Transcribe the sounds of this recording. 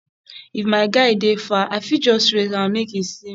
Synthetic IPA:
ifmaɪɡaidefaʔafid͡ʒɔsɾekãɔ̃mekisĩ

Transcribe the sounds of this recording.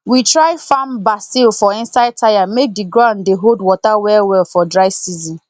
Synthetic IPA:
witɾaɪfambasilfɔɪ̃n̩saɪd̚tʰajamek̚diɡɾãʊ̃ndeɦoldwɔtawɛlwɛlfɔdɾaɪsizĩn

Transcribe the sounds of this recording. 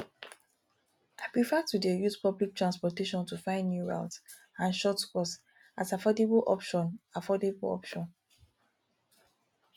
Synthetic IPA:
ʔapɹifatudejuzpʌblik̚tɹãnspɔteʃɔ̃ntufãɪ̃ndnuɹa̰ʊt | ãnʃɔtkɔs | atafɔdebʔɔ̰pʃɔ̃nafɔdeblɔ̰pʃɔ̃n

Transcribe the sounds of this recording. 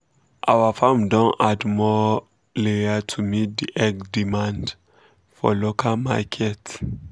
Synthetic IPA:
ʔawafãmdɔ̃nadmɔ | leatʰumit̚diʔɛɡdimãnd | fɔ̰lokʰalmakʰɛt

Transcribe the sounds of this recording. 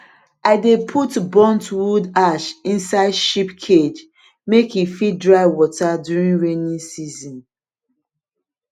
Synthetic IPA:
aɪdepʰutbɔ̃ntwudaʃĩnsaɪdʃipkʰed͡ʒ | mekhifidɹaɪwɔtadjuɹĩnɹenĩnsizɔ̃n

